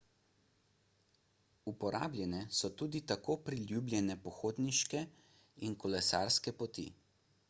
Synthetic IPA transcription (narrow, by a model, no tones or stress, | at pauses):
upɔɾa̰ːblʲjɛnɛsɔt̪uːd̪it̪akoːpɾilʲjublʲjɛnɛpɔxoːd̪niʃkɛ | inkɔlɛsaɾskɛpɔt̪ḭ